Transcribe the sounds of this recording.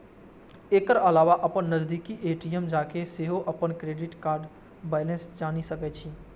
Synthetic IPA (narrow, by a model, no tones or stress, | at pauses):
eːkəɾəlaːʋaʔəpənːəzd̪ikiʔeːʈijəmd͡ʒakeseɦoʔəpənkɾeɖɪʈkaːɾɖ | bɛɪlensd͡ʒanisəkɛt͡ʃʰi